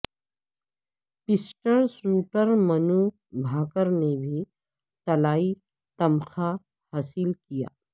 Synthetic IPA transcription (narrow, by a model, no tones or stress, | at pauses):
pɪsʈəɾsuːʈəɾmɐnu | bʱaːkəɾnebʱi | t̪ɐlaːi | t̪ɐmxa | haːsɪlkija̰ː